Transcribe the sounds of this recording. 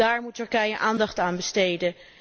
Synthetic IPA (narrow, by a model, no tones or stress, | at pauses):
aːɹmutːɵɹkɛjəʔaːndɑχtaːnbəstejdə